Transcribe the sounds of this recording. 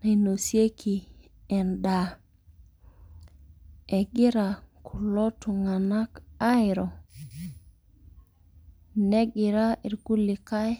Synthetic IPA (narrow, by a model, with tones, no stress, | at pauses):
ne˨no˨sje˦kʰi˨ | ɛ˨nda˨ | ɛ˨ɡi˦ɾa˨kʰu˨lo˦tu˨ŋa˨na˦ka˦ɪ˨ɾɔ˨ | nɛ˦ɡɪ˨ɾa˦i˨ɾɡu˦li˨ka˦j